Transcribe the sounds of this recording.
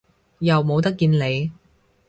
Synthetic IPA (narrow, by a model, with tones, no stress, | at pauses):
jɐ˨wmo˨˧wt̪ɐ˥kːiː˧nle˨˧j